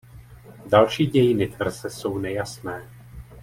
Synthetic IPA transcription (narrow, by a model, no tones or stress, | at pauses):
dalʃiːɟɛjɪnɪt̪vr̩zɛso̞wnɛjasnɛː